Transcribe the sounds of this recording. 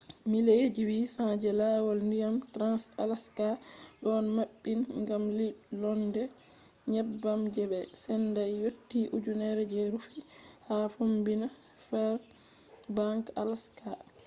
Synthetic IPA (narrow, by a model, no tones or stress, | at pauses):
miled͡ʒiwisãd͡ʒɛlawɔlndijamtɾansalaskaɗɔnmaɓːinŋɡamlilɔndɛ | ɲɛbːamd͡ʒɛbɛsɛndajjotːiʔud͡ʒunɛɾɛd͡ʒeɾufi | hafombina | fɛɾ | baŋkalaska